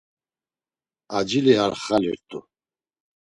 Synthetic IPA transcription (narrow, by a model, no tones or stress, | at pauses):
ad͡ʒiliɦaɾχalḭɾt̪ʼṵ